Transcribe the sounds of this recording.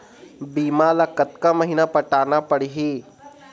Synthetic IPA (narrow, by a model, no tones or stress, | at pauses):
biːmaːlɐkət̪kamɐɦiːnapɐʈaːnapɐɽiɦiː